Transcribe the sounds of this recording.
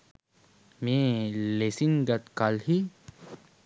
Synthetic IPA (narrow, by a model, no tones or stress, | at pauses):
mẽːlesiŋɡɐt̪kalhi